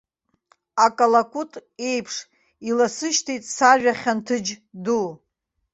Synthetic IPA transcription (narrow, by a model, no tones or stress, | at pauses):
akʼalakʷʼutʼe̞jpʰʂ | ilasɨʃtʰijtʼsaʒᶣaχʲantʰɨd͡ʒdu